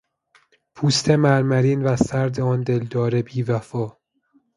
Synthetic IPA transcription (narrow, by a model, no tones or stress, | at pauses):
pʰuːst̪ʰemæɾmæɾiːnvæsæɾd̪eɒːnd̪e̞ld̪ɒːɾebiːvæfɒː